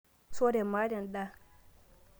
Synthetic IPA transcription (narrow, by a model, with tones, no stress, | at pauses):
so˦de˨maː˦dɐ˨nɗa˦